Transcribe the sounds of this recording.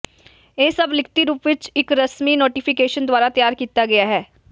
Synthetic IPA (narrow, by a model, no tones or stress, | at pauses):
eːsəblɪkʰt̪iːɾuːpʋɪt͡ʃɪkɾəsmiːnoːʈiːpʰɪkeːʃənd̪ʊaːɾaːt̪jaːɾkiːt̪aːɡɐjaːɦɛː